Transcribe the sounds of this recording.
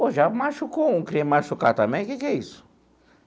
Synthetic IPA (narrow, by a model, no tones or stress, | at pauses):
oʒamaʃukoũkɾĩmaʃukaɾt̪ɐ̃mbẽj̃kekɛisʊ̥